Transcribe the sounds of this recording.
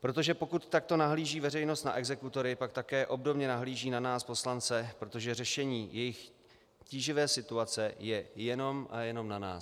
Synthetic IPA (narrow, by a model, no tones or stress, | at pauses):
pɾo̞t̪̬o̞ʒɛpo̞kut̪ːak̚t̪o̞naɦliːʒiːvɛrɛjno̞st̪na̰ʔɛɡzɛkut̪o̞ɾɪpak̚t̪akɛːʔo̞bdo̞bɲɛnaɦliːʒiːnanaːspo̞slant͡sɛpɾo̞t̪o̞ʒɛrɛʃɛɲiːjɛjɪx | ciːʒɪvɛːsɪt̪uat͡sɛjɛjɛno̞mʔa̰jɛno̞mnana̰ːs